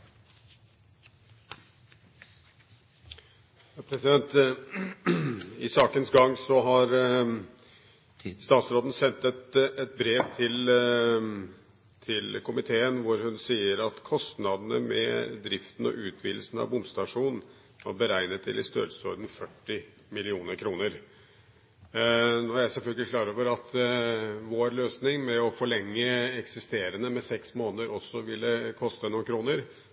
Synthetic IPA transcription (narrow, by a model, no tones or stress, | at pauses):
jɑːpʰɾɛsɪd̪ɛnt̪ | ɪsɑːkənsɡɑŋːsɔɦɑɾ | st̪ɑːt̪sɾoːd̪n̩sɛnt̪ɛt̪ɛt̪̚bɾeːʋt̪ʰɪl | t̪ʰɪlkʊmɪt̪ʰeːənʋʊɾhʉnsiːəɾɑt̪kʰɔst̪nɑd̪nəmɛ̰d̪ɾɪft̪n̩ɔ̰ʔʉːt̪ʰʋiːd̪l̩sn̩ɑ̰ʋbʊmst̪ɑʂuːnn̩ | hɑ̰ɾbəɾæɪnət̪ʰːɪ̰lɪst̪ø̰ːlsɔd̪n̩fœʈːɪ | mɪlɪuːnəɾkʰɾuːnəɾ | nɔːɾæɪsɛlfœlɡəlɪkʰlɑːɾoːʋəɾɑt̪ | ʋoːɾløːsnɪŋmɛɔfɔɭɛŋːəɛksɪst̪eːɾənəmɛsɛksmoːnəəɾɔsːɔʋɪlːəkʰɔst̪ənuːnkʰɾuːnəɾ